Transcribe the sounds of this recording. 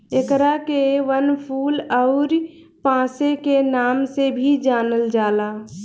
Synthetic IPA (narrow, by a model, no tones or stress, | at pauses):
ekɾakeʋənpʰuːlɔʊɾ | pãːsekenaːmsebʱid͡ʒaːnəld͡ʒaːlaː